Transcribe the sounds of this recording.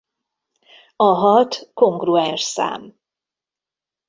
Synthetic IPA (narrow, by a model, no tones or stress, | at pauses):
ɒɦɒt̪ko̞ŋɡruɛnʃsa̰ːm